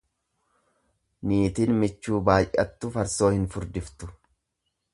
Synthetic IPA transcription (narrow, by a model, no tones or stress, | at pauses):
niːt̪inmɪt͡ʃːuːbaːjʔɐt̪ːʊfɐɾso̞ːhɪnfʊɾd̪ɪft̪ʊ